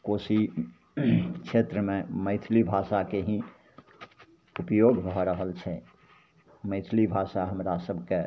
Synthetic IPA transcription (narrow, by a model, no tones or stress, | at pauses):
kosi | kʃʰet̪ɾəmẽməɪt̪ʰlibʱasakeɦĩ | upjoɡbʱɔɾəɦəlt͡ʃʰɛ | məɪt̪ʰlibʱasaɦəmɾasəbʱke